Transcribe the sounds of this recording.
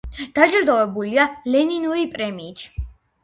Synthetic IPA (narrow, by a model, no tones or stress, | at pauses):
d̪̥ad͡ʒld̪ɔvɛbulialɛninuɾipʼɾɛmiːt̪ʰ